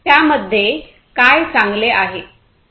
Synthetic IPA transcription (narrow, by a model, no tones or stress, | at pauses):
jaməd̪ʱːje | kajt͡saŋɡleʔaɦe